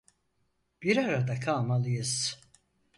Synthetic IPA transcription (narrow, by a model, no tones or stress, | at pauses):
b̥iɾaɾad̪akʰaːmalijɨs